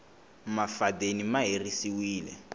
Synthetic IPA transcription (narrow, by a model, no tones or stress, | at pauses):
mafadenimaɦerisiwiːlɛ̰